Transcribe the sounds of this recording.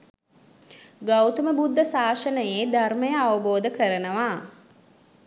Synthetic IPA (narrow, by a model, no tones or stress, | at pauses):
ɡawt̪uməbud̪ʱːəsaːʃənəjeːd̪arməjəaʋəboːd̪əkəɾənəʋaː